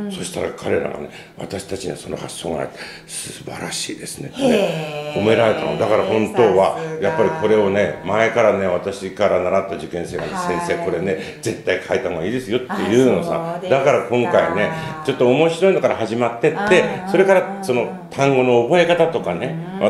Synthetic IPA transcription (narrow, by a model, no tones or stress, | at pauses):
so̞ɕi̥t̪aɾa̰kʰaɾe̞ɾa̰ɡa̰ne̞̰ | βa̰t̪aɕi̥t̪at͡ɕiɲ̟ḭβa̰so̞no̰hasoːɡana̰it̪ːe | sɨba̰ɾa̰ɕḭːd̪e̞sɨ̥net̪ːeko̞me̞ɾaɾe̞t̪anod̪akaɾahõ̞nt̪o̞ːβajapːaɾʲikʰo̞ɾe̞o̞ne̞maekaɾane̞β̞at̪aɕikaɾanaɾat̪ːad͡ʑɨkẽ̞ɰ̃se̞ːɡa̰nesẽ̞ɰ̃se̞ːko̞ɾe̞ne̞ | d͡ze̞t̪ːaikʰait̪anoaiːd̪e̞sɨjo̞t̪ːe̞jɯ̟ːnosa̰d̪akaɾakõ̞ŋkaine̞t͡ɕo̞t̪ːo̞ːmo̞ɕiɾo̞ino̞kaɾaɦaʑimat̪ːe̞t̪ːe̞so̞ɾe̞kaɾaso̞no̞ | t̪ʰãŋɡo̞no̞ːbo̞e̞kat̪at̪o̞kane̞ | a